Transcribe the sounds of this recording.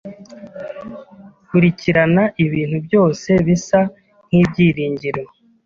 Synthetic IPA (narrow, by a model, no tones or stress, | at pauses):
kuɾiciɾanaʔiβiːnhubjo̞ːse̞βisa | ŋ̥hiːbɟiːɾiːɲɟiɾwo